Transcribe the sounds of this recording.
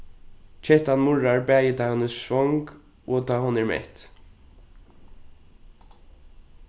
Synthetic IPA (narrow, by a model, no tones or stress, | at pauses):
t͡ʃʰɛht̪anmʊɹaɹbæːjɪt̪ʰɑːhɔnəssvɔŋk | ɔt̪ʰɑːɦɔnɛɹmɛ̰ht̪